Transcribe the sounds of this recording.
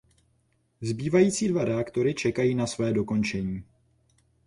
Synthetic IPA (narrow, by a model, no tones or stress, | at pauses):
zbiːvajiːt͡siːdvaɾɛakt̪o̞ɾɪt͡ʃɛkajiːnasvɛːdo̞ko̞nt͡ʃɛɲiː